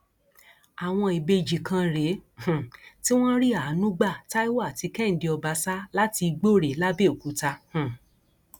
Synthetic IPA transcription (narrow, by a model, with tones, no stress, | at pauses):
a˨w̃ɔ̃˧i˨be˧d͡ʒi˨kã˧ɾe˨˦h̩˨ti˦w̃ɔ̃˦ɾi˦a˨˦nũ˦ɡ͡ba˦˨ta˦i˦wa˦a˦˨ti˧kɛ˦n̩˨de˧ɔ˧ba˨˧sa˦la˦ti˧ɡ͡bo˦˨ɾe˨˦la˦be˦˨o˨ku˨˦ta˧h̩˨